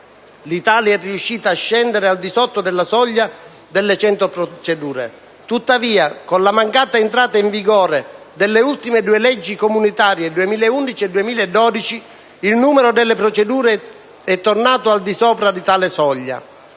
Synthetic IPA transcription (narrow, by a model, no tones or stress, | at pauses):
lit̪aːljɛrːiuʃːiːt̪aːʃːɛnd̪eɾeald̪isɔt̪ːod̪ɛlːasɔʎːa | d̪ɛlːet͡ʃɛnt̪opɾot͡ʃed̪uːɾḛ | t̪ut̪ːaviːakonlamaŋkaːt̪aent̪ɾaːt̪aiɱviɡɔːɾe | d̪ɛlːeult̪imed̪uːelɛd͡ʒːikomunit̪aːɾjed̪uemiːleund̪it͡ʃiɛd̪uemiːlɛd̪ːɔːd̪it͡ʃiː | lnuːmeɾod̪ɛlːepɾot͡ʃed̪uːɾe | ɛt̪ːornaːt̪oald̪isɔːpɾad̪it̪aːlesɔʎːa̰